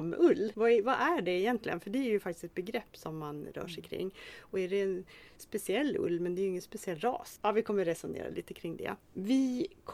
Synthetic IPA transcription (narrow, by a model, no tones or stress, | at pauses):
mʔɵlːvavaʔæɖɛɪjɛnt̪lɪɡənfœɖɛæɾjɵfak̚t̪ɪ̥sɛt̪̚bɛɡɾɛpːsɔmːanɾœ̰ːʂɛjkʰɾɪ̰ŋːɔæɖɛːn | spɛsɪɛlːɵ̰lːmɛnd̪ɛːɾjʏʏŋːənspɛsɪɛlːɾɑ̰ːsɑːvɪkʰɔmːəɾɛsʊnḛːɾa̰liːt̪əkʰɾɪŋːd̪ɛ̰ | vɪkʰ